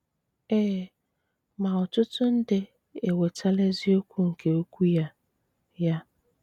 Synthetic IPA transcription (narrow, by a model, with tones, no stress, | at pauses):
eː˦ | ma˨ʊ˨tʊ˦tʊ˦n̩˦dɪ˦ | e˨we˨tʰa˦le˦zi˦o˦kʷu˦ŋ̩˨ke˨o˦kʷu˦ja˦ | ja˦